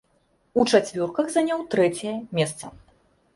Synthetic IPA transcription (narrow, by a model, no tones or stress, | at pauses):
ut͡ʂat͡sʲvʲɔrkɐɣzanʲawt̪ɾɛt͡sʲɛjɐmʲɛst̪sɐ̰